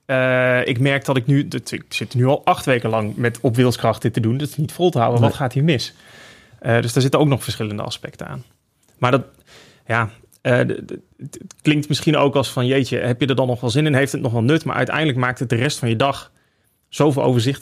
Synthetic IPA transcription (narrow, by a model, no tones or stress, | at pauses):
əɪ̰kmɛɹk̚dɔtɪknytɪksɪtnyɑlˠɑχtʋejkəlɑŋmɛtɔpʋɪːlˠskrɑχtətədundɔsɪ̥snitfolˠtəɦawənʋɔtχaːtɦiːɹmɪs | ədøsdaːɹzɪtənowknɔxfəɹsχɪləndə̰ɑ̰spɛk̚təna̰ːn | maːɹdɔt | jaː | ə | klɪŋktmɪsχino̰wkɑlˠsfɑnjejtəɦɛpjədɑdɑnːɔχʋɛlˠzɪnɛnɦejftətnɔχʋɛlˠnøtma̰ːɹʔœ̰ɥtɛ̰jndələkmaːktət̚dərɛstfɑnjədɑχ | z̥owvɪlˠo̰wvəɹzɪt